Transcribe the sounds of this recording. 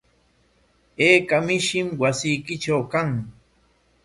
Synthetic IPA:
eːkamɪʃɪmwasɪjkɪt͡ʃawkaŋ

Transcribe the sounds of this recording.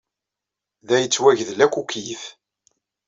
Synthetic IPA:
ðæjət͡sːwæʝðlækʷːukijəθ

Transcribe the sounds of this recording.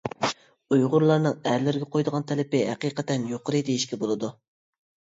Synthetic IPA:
ujʁʊɾlˠɑɾnɨŋæɾlɪɾɪɡʲɛqʰojd̪əʁɑnt̪ʰɛlɪpɪɦɛqiqət̪ɛnjoqʊɾɨd̪ejiʃkʲɛbolˠɨd̪u

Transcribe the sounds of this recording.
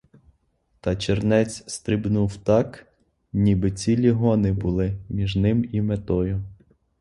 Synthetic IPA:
t̪ɑt͡ʃernɛt͡sʲst̪ɾɪbnuwt̪ɑk | nʲibɪt͡sʲilʲiɦɔnɪbʊlˠɪmʲiʒnɪmimet̪ɔjʊ

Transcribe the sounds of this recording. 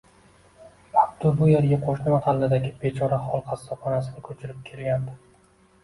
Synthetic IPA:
mabt̪ʊbʊje̞ɾɡʲaqʰoʃnɪmaq̪ʰald̪ɪd̪aɡʲɪbe̞t͡ʃʰɒɾaχɒlˠqʰɑsːɒpɒnasɪɡʲakʲʰɵt͡ʃʰɪɾɪp̚kʲʰe̞lɡʲand̪ɪ

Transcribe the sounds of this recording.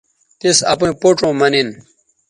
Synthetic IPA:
t̪isɐ̰pĩpoʈ͡ʂõmɐnin

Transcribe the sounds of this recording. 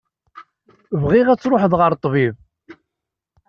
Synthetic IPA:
vʁiʁæt͡sːɾoħəðˤʁəɾt̪ˤːviv

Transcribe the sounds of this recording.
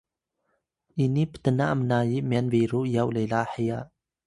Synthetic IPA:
ʔinipə̥t̪ənaʔmnaːjiʔmɛnvijɾuʔjawlejlaħɛjaʔ

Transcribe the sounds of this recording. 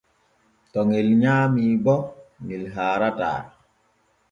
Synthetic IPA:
tɔŋilɲaːmiːbɔŋilɦaːɾata̰ːɾ

